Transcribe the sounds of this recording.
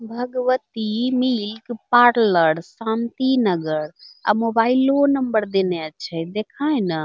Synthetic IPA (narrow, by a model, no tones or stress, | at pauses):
bʱəɡʋət̪imilkpaʈləɾsant̪inəɡəɾa̰mobailonəmbəɾd̪eneət͡ʃʰɛd̪ekʰajnə